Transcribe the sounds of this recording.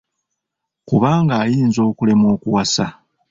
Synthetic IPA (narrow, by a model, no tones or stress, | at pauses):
kuβaːŋɡaːjiːnzo̞ːkule̞mo̞ːkuwasa